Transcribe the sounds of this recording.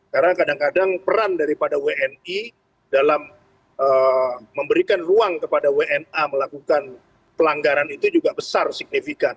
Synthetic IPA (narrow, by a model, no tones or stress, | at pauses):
kaɾənakadaŋkadaŋpəɾandaɾipadaweʔɛni | dalam | ʔəːəmbəɾikanruaŋkəpadaweʔɛnaməlakukan | pəlaŋɡaɾanit̪ud͡ʒuɡabəsarsik̚nifikan